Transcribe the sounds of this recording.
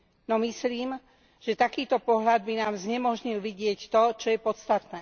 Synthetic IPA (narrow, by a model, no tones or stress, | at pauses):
nɔmisliːm | ʒ̥ɛt̪akiːt̪ɔpɔɦʎad̪̚binaːmzɲɛmɔʒɲilʋiɟɪɛct̪ɔt͡ʃɔjɛpɔt̪st̪at̪nɛː